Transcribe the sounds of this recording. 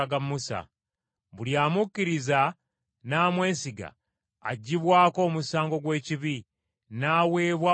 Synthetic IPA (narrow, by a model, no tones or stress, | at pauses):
ɡamːusa̰ | βuljaːmukːiɾiza | naːmwe̞ːnsiɡa̰ː | ɟːiβwaːko̞ːmusaːŋɡo̞ɡwe̞ːciβi | naːwe̞ːβwa